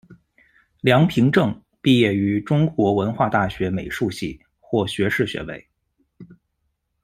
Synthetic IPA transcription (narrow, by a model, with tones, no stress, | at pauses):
ljɑ˧˥ŋpʰi˧˥ŋʈ͡ʂɤ˥˩ŋ | pi˥˧jɛ˥˩y˧˥ʈ͡ʂʊ˥ŋkwɔ˧˥wə˧˥nxwa˥˧t̪a˥˩ɕɥɛ˧˥me˨˩ɪʂu˥˧ɕḭ˥˩ | xwɔ˥˩ɕɥɛ˧˥ʂɻ̩˥˩ɕɥɛ̰˧˥wḛ˥˩ɪ